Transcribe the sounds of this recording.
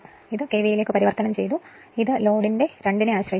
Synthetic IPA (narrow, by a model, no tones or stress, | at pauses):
iðɨke̞ːʋijile̞ːkːɨpɐɾiʋɐrt̪ɐnɐmt͡ɕe̞̰jt̪u | iðɨlo̞ːɽinde̞ɾe̞ɳɖineaːɕrɐɦi